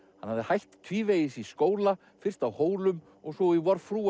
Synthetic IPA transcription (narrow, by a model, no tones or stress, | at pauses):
hanhavðɪhajht̪t̪ʰviːveːjɪsiskoːwla | fɪr̥st̪awhoːwlʏm | ɔɣsɔivɔɾfɾuː